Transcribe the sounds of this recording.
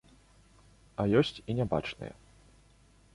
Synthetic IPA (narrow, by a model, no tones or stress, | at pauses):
ɐjɔsʲt͡sʲinʲɛba̰t͡ʂnɨ̰jɛ̰